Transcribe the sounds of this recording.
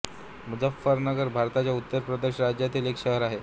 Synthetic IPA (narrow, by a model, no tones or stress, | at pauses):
mud͡zafːəɾnəɡəɾbʱaɾt̪at͡ɕjaut̪ːəɾpɾəd̪eɕɾad͡ʑjat̪ʰiːlekɕəɦəɾaɦe